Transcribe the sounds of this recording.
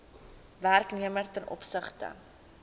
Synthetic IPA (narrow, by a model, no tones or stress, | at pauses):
værkniəmərtənʔɔ̰psəχtə̰